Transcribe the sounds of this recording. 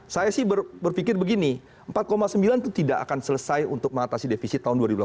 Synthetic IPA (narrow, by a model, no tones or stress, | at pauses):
sajasɪhbərbərfikɪrbəɡini | əmpat̪̚komasəmbilant̪ut̪idaʔa̰kansələsajunt̪ʊk̚məŋat̪asidefisit̪ːaʊnduaɾibula